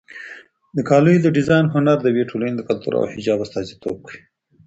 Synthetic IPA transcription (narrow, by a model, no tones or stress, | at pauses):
d̪əkʰɑlujd̪əɖɪzɑjnɦʊnaɾd̪əweʈʰolaned̪əkalt̪ṵɾa̰whɪd͡ʒɑbast̪ɑzit̪o̰b̚kəwi